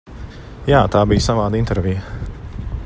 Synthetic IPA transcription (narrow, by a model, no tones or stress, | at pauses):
jaːt̪aːbijsaʋaːd̪int̪ɛɾvʲijə